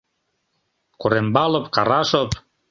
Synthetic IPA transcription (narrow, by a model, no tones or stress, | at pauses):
kuɾembɑlŏpkɑɾɑʃop̚